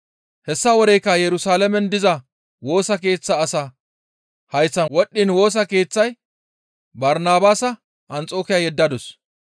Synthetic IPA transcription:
hɛsːɐwɔd̪ɛjkːɐjɛɾʊsaːlɐmɛnd̪ɪzɐ | wo̞ːsɐk̬e̞ːt͡sːɐːsa | hɐjt͡sːɐnwɔɗːɪnwo̞ːs̬ɐke̞ːt͡sːɐj | bɐɾnaːbaːsɐ | ʔːnt͡sʼo̞ːkɪjajɛd̪ːɐd̪ɔs

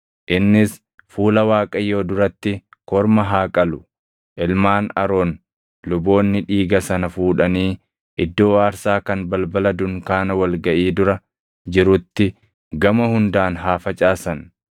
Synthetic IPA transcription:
ʔɪnːɪs | fuːlɐwaːkʼɐjːo̞ːd̪ʊɾɐt̪ːɪkɔɾmɐɦaːkʼɐlʊ̥ | ʔɪlmaːnɐ̰ɾoːn | lʊbo̞ːnːɪᶑiːɡɐsɐnɐfuːᶑɐniː | ʔɪd̪ːo̞ːaːɾsaːkɐnbɐlbɐlɐd̪ʊŋkaːnɐwɐlɡɐʔiːd̪ʊɾɐ | d͡ʒɪɾʊt̪ːɪ | ɡɐmɐhʊnd̪aːnɦaːfɐt͡ʃʼaːsɐn

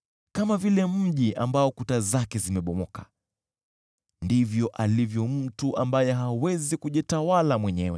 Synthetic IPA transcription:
kamavilɛm̩ʄiʔambaɔkutazakɛzimɛɓɔmɔkḁ | ndivjɔʔalivjɔm̩tuʔambajɛɦawɛzikuʄitawalamwɛɲɛwɛ̰

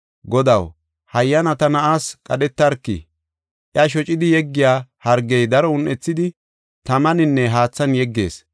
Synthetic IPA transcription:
ɡɔd̪ɐw | hɐjːɐnɐt̪ɐnɐʔaːskʼɐɗɛt̪ːɐɾkːɪ̰ | ʔjɐʃ̬ɔt͡ʃʼɪd̪ɪjɛɡːɪjaːhɐɾɡɛjd̪ɐɾɔʊnʔɛt͡sːɪd̪ɪ | t̪ɐmɐnɪnːɛɦaːt͡sːɐnjɛɡːe̞ːs

